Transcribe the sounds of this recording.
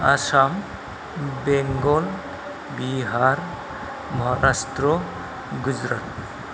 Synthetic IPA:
a̰sam | beŋɡɔl | biɦaɾ | mɔɦaɾastɾɔ | ɡud͡ʒɾat̪̚

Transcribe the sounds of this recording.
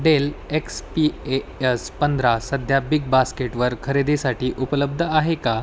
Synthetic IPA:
ɖelekspiespənd̪ʱɾasəd̪ʱjabik̚baskeʈʋəɾkʰəɾed̪esaʈiːʔupələb̚d̪ʱəaɦeka

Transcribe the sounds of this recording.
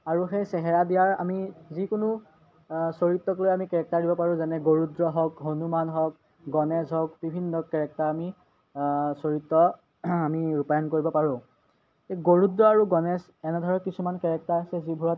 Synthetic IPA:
aɹuxejsɛɦɛɹadijaɹa̰mizikʊnu | soɹitːɔklojamikɛɹɛk̚taɹdibɔpaɹʊ̃zɛnɛɡoɹudɹɔɦɔkɦonumanɦɔk̚ | ɡɔnɛzɔkbibʱinːɔkɛɹɛk̚taɹami | soɹitːɔ | amiɹupajɔnkoɹibɔpaɹʊ̃ | xeɡoɹudɹɔaɹuɡɔnɛs | ɛnɛdʱɔɹɔnkisumankɛɹɛk̚taɹasɛzibʱuɹɔt̚

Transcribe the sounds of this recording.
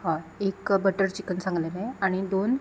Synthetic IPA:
ɦãekbəʈəɾt͡ɕikənsãŋɡleleaɽ̃id̪on

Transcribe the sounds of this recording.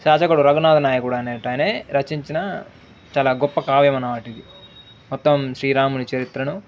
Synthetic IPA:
ʃaːt͡ʃɐkuɽuɾɐɡunaːd̪ɐnaːjɐkuɽɐːneːʈɐːjneːɾɐt͡ʃiɲt͡ʃinɐ | t͡ʃaːlaːɡɔpːɐkaːʋjɐmɐnɐʋaːʈid̪i | mɔt̪ːɐmʃɾiːɾaːmunit͡ʃɐɾit̪ɾɐnu

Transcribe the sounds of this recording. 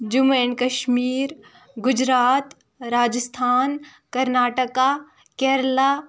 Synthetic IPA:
d͡ʒumeːnkɐʃmiːɾ | ɡʊd͡ʒɾaːt̪ | ɾaːd͡ʒəst̪ʰaːn | kɐɾnaːʈəka | kɛːɾlaː

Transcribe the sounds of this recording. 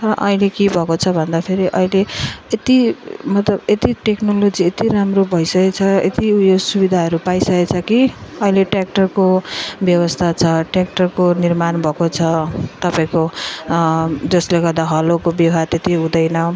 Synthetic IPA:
rʌʔʌilekibʱʌkot͡sʰʌbʱʌnd̪apʰeɾiʔʌileet̪imʌt̪lʌbet̪iʈeknolod͡ziet̪iɾamrobʱʌjsʌket͡sʰʌet̪ijosubid̪ʱaɦʌɾupaisʌket͡sʰʌkiʌileʈak̚ʈʌrkobjʌwʌst̪ʰat͡sʰʌʈrak̚ʈʌrkonirmanbʱʌkot͡sʰʌt̪ʌpaĩko | d͡zʌsleɡʌrd̪aɦʌlokobjʌwɦat̪et̪iɦũd̪ʌjnʌ

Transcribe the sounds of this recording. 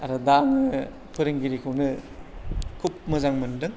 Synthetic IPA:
aɾɐdaŋɯ | pʰɯɾɯŋɡiɾikʰɯwnɯ | kʰup̚mɯzaŋmɐndɯŋ

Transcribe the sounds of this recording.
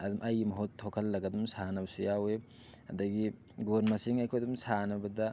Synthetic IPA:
ɐdumʔɐjmɐɦotʰːokʰɐlːɐɡɐdumsanɐbɐsujawe | hɐd̪ɐɡi | ɡonmɐsiŋajkʰojɐdumsanɐbɐdɐ

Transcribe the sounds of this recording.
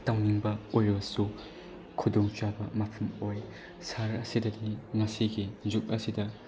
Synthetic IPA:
tawniŋbɐojbɐsu | kʰudɔŋt͡ʃabɐmɐpʰɐmoj | saɾɐsidɐdiŋɐsiɡizuk̚ɐsidɐ

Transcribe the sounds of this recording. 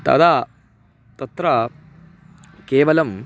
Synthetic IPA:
t̪ɐ̰d̪aː | t̪ɐt̪ɾɐ | keːʋɐlɐm

